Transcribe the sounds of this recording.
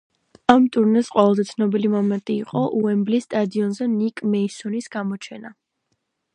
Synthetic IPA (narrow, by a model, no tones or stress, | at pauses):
amt̪ʼuɾnɛsqʼwɛvɛlˠzɛt̪sʰnɔbilimɔmɛnt̪ʼiːqʼɔʔuɛmblisːt̪ʼad̪iɔnzɛnikʼmɛisɔnisɡ̥amɔt͡ʃʰɛna